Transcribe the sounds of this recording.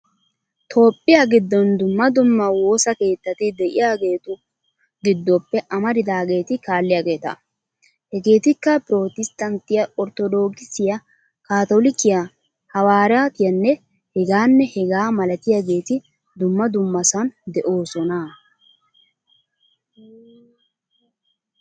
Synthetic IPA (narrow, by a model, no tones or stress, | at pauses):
t̪ʰo̞ːpʼːɪjɐɡɪd̪ːɔnd̪ʊmːɐd̪ʊmːɐwo̞ːsɐke̞ːt̪ːɐt̪ɪd̪ɛʔɪjaːɡe̞ːt̪ʊ | ɡɪd̪ːɔpːɛʔɐmɐd̪ɪd̪aːɡe̞ːt̪ɪkaːlːɪjaːɡe̞ːt̪ɐ̰ | hɛɡe̞ːt̪ɪkːɐpɾo̞ːt̪ɪst̪ɐnt̪ɪjɐɔɾt̪ɔd̪o̞ːkɪsɪjɐ | kaːt̪olɪkɪja | hɐwaːɾaːt̪ɪjɐnːɛ | hɛɡaːnːɛhɛɡaːmɐlɐt̪ɪjaːɡe̞ːt̪ɪ | d̪ʊmːɐd̪ʊmːɐsɐnd̪ɛʔo̞ːsɔna